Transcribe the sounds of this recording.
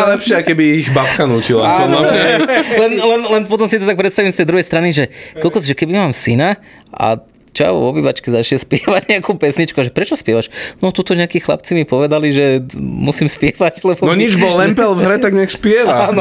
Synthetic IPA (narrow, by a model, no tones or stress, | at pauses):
alɛpʃɪakɛbiːɣbapkanuːcilaaɔnaɛlɛnlɛnlɛnpɔt̪ɔmsit̪ɔt̪ak̚pɾɛt̪st̪aʋimst̪ɛjd̪ɾuɦɛjst̪ɾaniʒɛkɔlkɔsʒɛkɛbimaːmsina | a̰ | t͡ʃa̰ʋɔbiːʋat͡ʃkɛzaʃjɛspɪɛʋaɟɲɛakuːpɛsɲit͡ʃkuaʒɛpɾɛt͡ʃɔspɪɛʋaʃnɔt̪ut̪ɔɲɛakiːxla̰pt͡simipɔʋɛd̪aliʒɛmusiːmspɪɛʋaɟlɛbɔnɔɲid͡ʒbɔlːɛmpɛlvɦɾɛt̪aɡɲɛxspɪɛʋaanɔ